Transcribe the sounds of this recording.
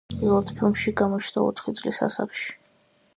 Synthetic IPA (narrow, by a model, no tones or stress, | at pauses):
ivɔt̪pʰilˠmʃiɡamɔt͡ʃʰnd̪aɔ̰t̪ʰχit̪sʼlisa̰sa̰kʃi̥